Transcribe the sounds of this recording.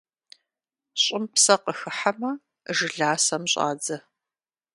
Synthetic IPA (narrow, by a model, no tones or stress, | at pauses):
ɕʼɪmpsɐqəxɨħamɐ | ʒɨɮaːsɐmɕʼa̰ːd͡zɐ